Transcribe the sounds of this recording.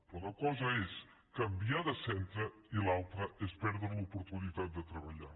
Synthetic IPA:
pɾɔnəkɔzəes | kəmbiaðəsɛnt̪ɾə | ilalˠt̪ɾəespɛɾðɾəlupuɾt̪unit̪at̪̚d̪ət̪ɾəβəʎa

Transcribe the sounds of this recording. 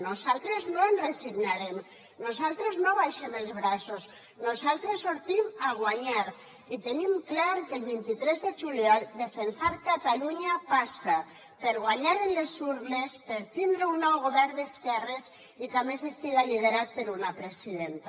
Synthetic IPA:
nozalˠt̪ɾeznoenreziɣnaɾem | nozalˠt̪ɾeznoβajʃemelˠzβɾasos | nozalˠt̪ɾesːoɾt̪imaɣwaɲaɾ | it̪enimklaɾkelβint̪it̪ɾɛzðeʒuljɔld̪efensaɾkat̪aluɲapasa | peɾɣ̞waɲaɾenlesuɾlespeɾt̪ind̪ɾeunːɔwɣoβɛɾnd̪eskɛres | ik̪amesest̪iɣaliðeɾat̪̚peɾunapɾesiðent̪a

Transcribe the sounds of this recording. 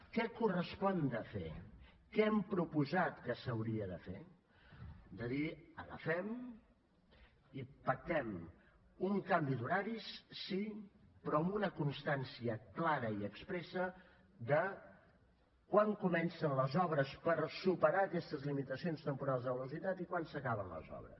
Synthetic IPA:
kɛkurəspɔnd̪əfḛ | kɛɛmpɾupuzat̪kəsəwɾiəðəfḛ | d̪əðiələ̰fɛm | ipək̚t̪ɛm | uŋkambiðuɾaɾissipɾɔəmunəkunst̪ansiəklaɾəiəkspɾɛsə | d̪ə | kwaŋkumɛnsənləzɔβɾəspəɾsupəɾaəkɛst̪əzlimit̪əsionst̪əmpuɾalˠzðəβəluzit̪at̪ikwansəkaβənlə̰zɔ̰βɾə̰s

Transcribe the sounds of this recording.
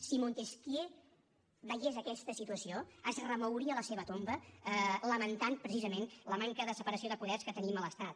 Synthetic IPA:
simont̪eskje | βəʒezəkɛst̪əsit̪uəsioəzrəməwɾiələseβət̪ombələmənt̪anpɾəsizəmenləmaŋkəðəsəpəɾəsioðəpuðɛskət̪ənimələst̪at̪

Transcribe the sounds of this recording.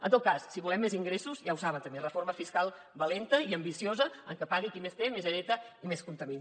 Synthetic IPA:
ə̰nt̪ot̪̚kassiβulɛmːeziŋɡɾesuzjawsaβənt̪əmberəforməfiskalˠ | βəlent̪əiəmbisiozəəŋkəpaɣiəkimest̪emezəɾɛt̪əimeskunt̪əmin

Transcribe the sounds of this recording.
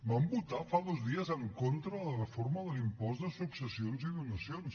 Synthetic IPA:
mambut̪afaðɔzðiəzəŋkont̪ɾələrəfoɾməðəlimpɔzd̪əsuksəsionziðunəsjons

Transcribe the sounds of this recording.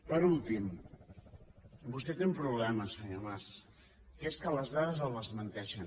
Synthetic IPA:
pəɾulˠt̪im | bust̪ɛt̪eumpɾuβlɛməsəɲomas | keskələzðaðəzəlˠːəzmənt̪ɛʃən

